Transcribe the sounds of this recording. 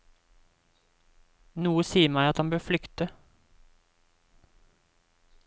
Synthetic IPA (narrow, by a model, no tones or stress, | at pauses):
nuːəsiːəmæɪɑt̪hɑnbøːflʏkt̪ə